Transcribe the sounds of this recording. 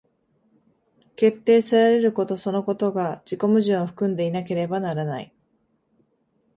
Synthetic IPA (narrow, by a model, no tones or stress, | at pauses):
ke̞t̪ːe̞ːsɨɾaɾe̞ɾɯ̟ko̞t̪o̞so̞no̞ko̞t̪o̞ɡad͡ʑiko̞mɯ̟ʑĩɰ̃oɸɯ̟̥kɯ̟̃nd̪e̞inak̬e̞ɾe̞banaɾana̰ḭ